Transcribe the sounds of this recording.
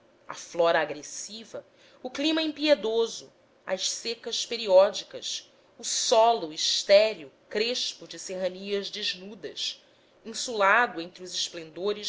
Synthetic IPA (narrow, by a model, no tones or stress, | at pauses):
ɐ̰flɔɾɐːɡɾesivɐ | ʊklĩmɐĩpied̪ozʊ | ɐ̰ʃsekɐspeɾiɔd͡ʒikɐs | ʊsɔlʊiʃt̪ɛɾiʊkɾeʃpʊd͡ʒɪseɦɐniɐzd͡ʒeʒnud̪ɐs | ĩsulad̪ʊẽnt̪ɾɪʊzɪʃplẽnd̪oɾɪʃ